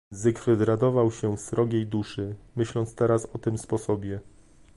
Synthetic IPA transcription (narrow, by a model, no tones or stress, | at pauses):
zɘkɾɘd̪ɾad̪ɔvawɕɛsɾɔɡʲejd̪uʂɘmɘɕlɔnt̪st̪ɛɾasɔt̪ɘmspɔsɔbʲjɛ